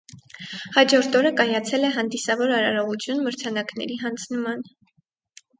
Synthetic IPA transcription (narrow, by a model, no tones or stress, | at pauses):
hɑd͡ʒɔɾt̪ʰɔɾəkɑjɑt͡sʰɛlɛɦɑnd̪isɑvɔɾɑɾɑɾɔʁut͡sʰjunməɾt͡sʰɑnɑknɛ̰ɾiɦɑnd͡zʰnəmɑn